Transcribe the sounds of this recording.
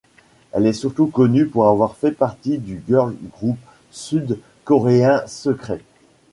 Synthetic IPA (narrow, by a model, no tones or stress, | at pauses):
ɛlɛsyʁt̪ukɔnypuʁavwaʁfɛpaʁt̪id̪yɡœʁlɡʁup | syd̪ | kɔʁeɛ̃səkχɛ